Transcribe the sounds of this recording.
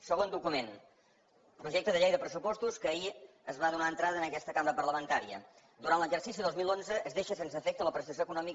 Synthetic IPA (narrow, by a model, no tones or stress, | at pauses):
səɣond̪ukumen | pɾuʒɛk̚t̪əðəʎejðəpɾəsupɔst̪uskəːi | əzβaðunaənt̪ɾaðənəkɛst̪əkambəɾəpərləmənt̪aɾiə̰ | d̪uɾantləʒərsisiðozmilˠonzəəzðeʃəsensəːfɛk̚t̪ələpɾəst̪əsjoəkunɔmik